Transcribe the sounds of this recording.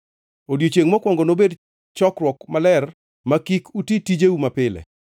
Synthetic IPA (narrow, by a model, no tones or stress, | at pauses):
odjot͡ʃeŋmɔkwɔŋɡɔnobed | t͡ʃɔkrwɔkmalɛr | makikutitid͡ʒeumapɪlɛ̰